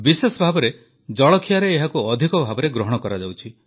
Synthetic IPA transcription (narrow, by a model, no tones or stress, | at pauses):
bisesɔbʱabɔɾe | d͡ʒɔɭɔkʰijaɾeːɦakuɔd̪ʱikɔbʱabɔɾeɡɾɔɦɔɽ̃ɔkɔɾad͡ʒawt͡ʃʰi